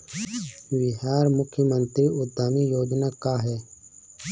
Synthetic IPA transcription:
ʋɪɦaːɾmʊkʰjəmə̃nt̪ɾiːʔʊt̪ːaːmijoːd͡ʒnaːkaːɦɛː

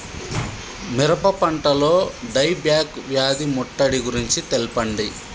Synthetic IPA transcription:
miɾɐpɐpɐɳʈɐlo̞ːɖɐjbjaːkʋjaːd̪imɔʈːɐɽiɡuɾiɲt͡ʃit̪elipɐɳɖi

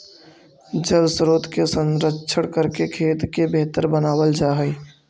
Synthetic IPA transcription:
d͡ʒəlsɾoːt̪kesə̃nɾəʃʰəɽkəɾkekʰeːt̪kebeɦt̪əɾbənaːwəld͡ʒaːɦɛ

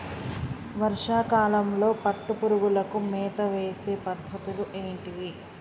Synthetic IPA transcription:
ʋɐɾʂaːkaːlɐmlo̞ːpɐʈːupuɾuɡulɐkumɛːt̪ɐʋeːse̞ːpɐd̪ʱːɐt̪uluʔeːɳʈiʋi

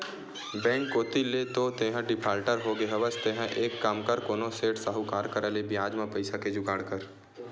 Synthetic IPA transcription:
bɛ̃ːŋkːoːt̪iled̪oːt̪eɦə̃ɖɪpʰaːlʈəɾɦoɡeɦəʋəst̪eːɦə̃ʔeːkːaːmkəɾkoːnõseːʈsaɦukaːɾkəɾəlebɪjaːd͡ʒmãpəɪsaked͡ʒʊɡaːɽkəɾ

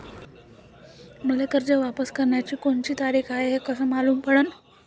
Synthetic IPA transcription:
məlekəɾd͡ʑəʋapəskəɾɳjat͡ɕiːkoɳt͡ɕiːt̪aɾiːkʰaɦeɦekəsəmaluːmpəɽən

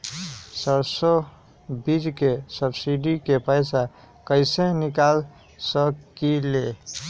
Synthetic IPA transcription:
səɾso | bid͡ʒkesəbsiɖikepəjsa | kəɪsenikal | səkile

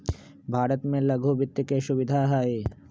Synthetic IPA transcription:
bʱaːɾət̪mẽlɐɡʱubɪt̪ːjəkeʃʊʋɪd̪ʱaːɦaːeː

